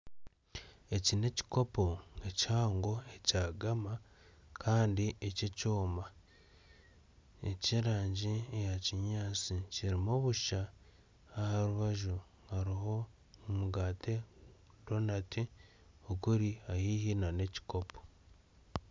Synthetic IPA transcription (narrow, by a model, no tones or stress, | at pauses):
e̞cine̞ci̥ko̞po̞echaːŋɡo̞e̞caːɡama | kʰaːndiececoːma | ḛciɾaːɲɟiejaciɲaːt͡siciɾimoβuʃaː | haɾuβaʒu | haɾiɦo̞ | umuɡaːtʰe̞ | do̞nati | okuɾiajihinane̞ci̥ko̞pʰo̥